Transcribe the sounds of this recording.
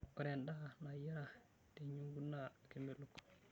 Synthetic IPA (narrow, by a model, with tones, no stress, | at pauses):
o˨ɾe˨nda˦na˨ji˦ɾa˨ | te˨ɲu˦ŋɡu˦nːa˨ke˨mbe˨lu˨kː